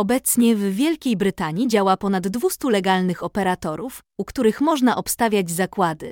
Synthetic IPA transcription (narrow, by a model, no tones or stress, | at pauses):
ɔbɛt̪sɲɛvvʲjɛlkʲejbɾɘt̪aɲid͡ʑawapɔnad̪ːvust̪ulɛɡalnɘxɔpɛɾat̪ɔɾuf | ukt̪uɾɘxmɔʐnaʔɔpst̪avʲjad͡ʑzakwad̪ɘ